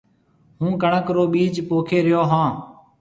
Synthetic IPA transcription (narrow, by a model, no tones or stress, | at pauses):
ɦũːkəɳəkɾoːɓiːd͡ʒpoːkʰeːɾɪjoːɦãː